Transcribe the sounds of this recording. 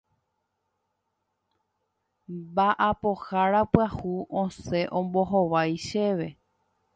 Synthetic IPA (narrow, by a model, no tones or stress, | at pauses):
baʔapohaɾapɨahuʔõse̞ʔõ̞mbo̞ɦoʋajʃe̞ʋe̞